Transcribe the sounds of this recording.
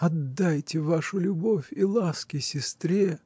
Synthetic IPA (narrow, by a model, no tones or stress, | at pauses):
ɐd̪ːajtʲɪvaʂʊlʲʊbo̞fʲilˠaskʲɪsʲɪst̪ɾʲe